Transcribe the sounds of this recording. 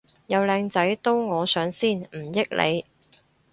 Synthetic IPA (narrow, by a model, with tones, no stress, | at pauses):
jɐ˨˧wlɛː˧ŋt͡sɐ˨˥jt̪o˥wŋɔː˨˧sœː˨˥ŋsiː˥˩nm̩˨˩jɪ˥k̚lʔḛ˨˧j